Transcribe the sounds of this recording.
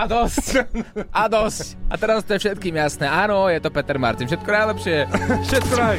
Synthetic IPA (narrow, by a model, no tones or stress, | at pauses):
ad̪ɔscʔad̪ɔscʔat̪ɛɾast̪ɔjɛfʃɛt̪̚kiːmjasnɛːʔanɔjɛt̪ɔpɛt̪ɛɾma̰ɾt̪infʃɛt̪̚kɔnajlɛpʃɪɛʃɛt̪̚kna